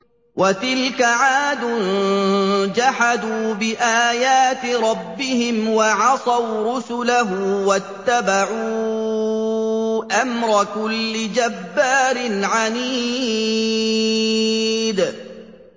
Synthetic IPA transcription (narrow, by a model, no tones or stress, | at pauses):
wʔat̪ɪlkaʕaːd̪ʊn | d͡ʒaħad̪uːbɪʔaːjaːt̪ɪɾˤɑbːɪhɪmwɑʕɑsˤɑwɾʊsʊlaɦʊwat̪ːabaʕuː | ʔamɾˤɑkʊlːɪd͡ʒabːaːɾɪnʕaniː | d̪